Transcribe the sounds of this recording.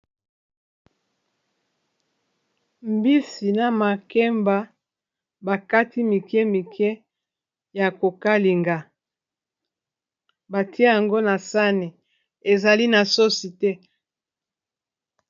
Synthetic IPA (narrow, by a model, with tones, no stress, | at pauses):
mbi˦si˨na˨ma˨kɛ˦mba˦ | ba˨ka˦ti˦mi˨kjɛ˦mi˨kɛ˦ | ja˨ko˨ka˦li˨ŋɡa˨ | ba˨ti˦a˦ja˨ŋɡo˦na˨sa˦ne˨ | e˨za˨li˦na˨so˦si˨tɛ˦